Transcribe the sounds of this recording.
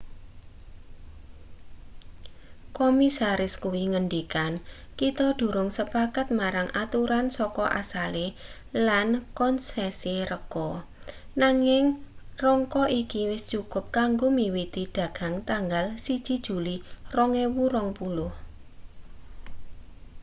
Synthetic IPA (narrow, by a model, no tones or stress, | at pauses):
komisaɾɪskuwiŋəndikan | kit̪ɔd̥o̤ɾʊŋsəpakat̪̚maɾaŋʔat̪uɾansɔkɔʔa̰sale | lankɔnsɛsiɾəkɔnaŋɪŋrɔŋkɔʔikiwɪst͡ʃukʊ̤p̚kaŋɡomiwit̪id̪̥a̤ɡ̥a̤ŋt̪aŋɡalsid̥d͡ʒ̥id̥ʒ̥ṳlirɔŋewuɾɔŋpulʊh